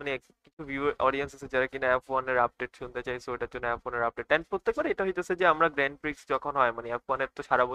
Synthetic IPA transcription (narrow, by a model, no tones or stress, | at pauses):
manek | kit͡ɕʰubjuɔɖiensasʰed͡ʑaɾakinaɛpfoaneɾap̚ɖeʈʃunt̪et͡ɕajsoeʈat͡ɕunaɛfoneɾap̚ɖeʈ̪̚ːajnpɾot̪ːek̚baɾeʈaɦojt̪easʰed͡ʑeamɾaɡɾɛɳɖpɾiksd͡ʑɔkʰonɦɔemaneɛfoaneɾt̪oʃaɾabo